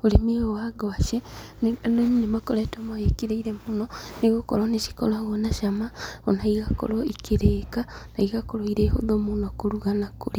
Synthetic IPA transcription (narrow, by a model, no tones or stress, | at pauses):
olemeowaɡoaʃennonnemakoɾɛtomajekiɾeiɾemunɔniɣokɔ̰ɾoneʃi̥kɔɾwaɣɔnaʃamaonaiɣako̰ɾɔikiɾekanaiɣakoɾoiɾeːho̰ðomonɔkoɾuɣanakoɾi